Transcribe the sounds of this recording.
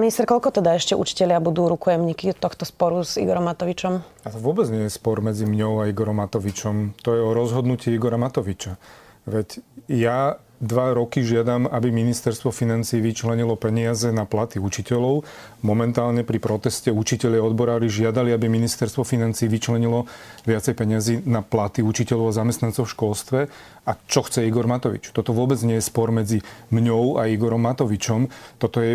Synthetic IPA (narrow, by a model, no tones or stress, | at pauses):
minist̪ɛɾkɔʎkɔt̪ɛd̪aɛʃcɛʔṵt͡ʃi̥cɛʎɪabud̪uːɾukɔjɛmɲikit̪ːɔxt̪ɔspɔɾuzḭɡɔɾɔmːat̪ɔʋit͡ʃɔmat̪ɔʋʊɔbɛd͡zɲɪɛjɛspɔɾmɛd͡zimɲɔʊaiɡɔɾɔmːat̪ɔʋit͡ʃɔmt̪ɔjɛɔɾɔzɦɔd̪nuciiɡɔɾamat̪ɔʋit͡ʃa | ʋɛcja | d̪ʋaɾɔkiʒɪad̪amabiminist̪ɛɾst̪ʋɔfinant͡siːʋit͡ʃlɛɲilɔpɛɲɪazɛnaplat̪iut͡ʃicɛlɔʊ | mɔmɛnt̪aːlɲɛpɾipɾɔt̪ɛscɛut͡ʃicɛlʎaɔd̪bɔɾaːɾiʒɪad̪aliabiminist̪ɛɾst̪ʋɔfinant͡siːʋit͡ʃlɛɲilɔʋɪat͡sɛjpɛɲɪaziːnaplat̪iut͡ʃicɛʎɔʊazamɛst̪nant͡sɔʊfʃkɔlst̪ʋɛ | at͡ʃɔxt͡sɛiɡɔɾmat̪ɔʋḭt͡ʃt̪ɔt̪ɔʋʊɔbɛd͡zɲɪɛjɛspɔɾmɛd͡zimɲɔʊaiɡɔɾɔmːat̪ɔʋit͡ʃɔmt̪ɔt̪ɔjɛ